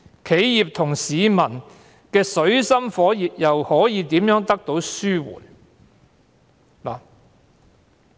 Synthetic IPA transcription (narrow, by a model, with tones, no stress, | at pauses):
kʰe˨˥jjiː˨p̚t̪ʰʊ˨˩ŋsiː˨˧mɐ˨˩n | kɛː˧sɵ˨˥ɥsɐ˥mfɔː˨˥jiː˨p̚jɐ˨whɔː˨˥jiː˨˧t̪iː˨˥mjœː˨˥ŋt̪ɐ˥k̚t̪o˨˥wsyː˥wṵː˨˩n | laː˨